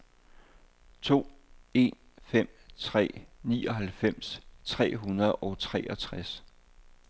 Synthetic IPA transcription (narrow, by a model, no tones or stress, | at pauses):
t͡sʰo̝̰ːe̝n | fem̰t͡sʰʁɛ̰ːniːɒ̽ɦælfem̰st͡sʰʁɛ̰ːɦunɐð̞ˠɒ̽t͡sʰʁɛːʔɒ̽t͡sʰʁas